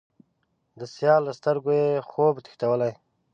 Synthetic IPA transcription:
d̪əsjɑːlːəst̪əɾɡojexoːbt̪i̥xt̪awəlaj

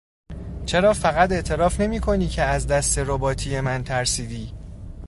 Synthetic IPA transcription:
t͡ʃʰe̞ɾɒːfæɣæt̪e̞ʔt̪ʰe̞ɾɒːfne̞miːkʰo̞niːcʰe̞æzd̪æst̪e̞ɾobɒːt̪ʰiːje̞mænt̪ʰæɾsiːd̪iː

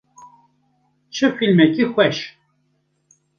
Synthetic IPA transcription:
t͡ʃʰɨfilmɛkʼixʷɛʃ

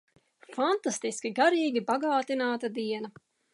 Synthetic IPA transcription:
fant̪ast̪iskʲiɡaɾiːɡʲibaɡaːt̪inaːt̪ad̪iɛnɐ

